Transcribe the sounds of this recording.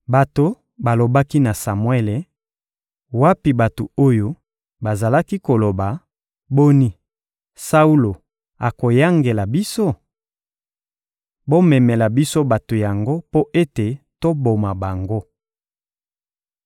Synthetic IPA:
ba˨to˨ | ba˨lo˨ba˦ki˦na˨sa˨mwe˦le˨ | wa˦pi˨ba˨to˨o˦jo˦ | ba˨za˨la˦ki˦ko˨lo˨ba˨ | bo˦ni˦ | sa˦u˦lo˨ | a˨ko˨ja˦ŋɡe˨la˨bi˦so˦ | bo˦mɛ˨mɛ˨la˨bi˦so˦ba˨to˨ja˨ŋɡo˦po˦ʔe˦te˨ | to˦bo˨ma˨ba˨ŋɡo˦

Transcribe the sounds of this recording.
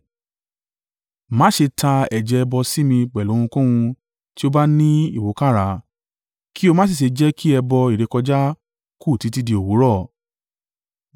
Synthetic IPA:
mãː˨˦ʃe˧tʰa˧ɛ˨d͡ʒɛ˨˦˧bɔ˧si˦mĩ˧k͡pɛ˨lõ˨˦ũ˧kũ˦w̃ũ˧ | ti˦o˧ba˦nĩ˦ḭ˦˨wo˨˦ka˦˨ɾa˧˦ | ki˦o˧mã˦s̬i˦˨ʃ̬e˨˧d͡ʒɛ˦kʰi˦ɛ˧bɔ˧i˨ɾe˨˧kɔ˧d͡ʒa˦ | ku˦˨ti˨˧˦ti˦di˧o˨wo˨˦ɾɔ˦˨

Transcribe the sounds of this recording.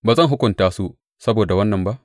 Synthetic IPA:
baː˨zɐ˦˨ŋɦʊ˦kʷʊ˨ntaː˦su˦ | sɐ˦boː˨da˨wɐ˦nːɐ˨mba˦ʔ

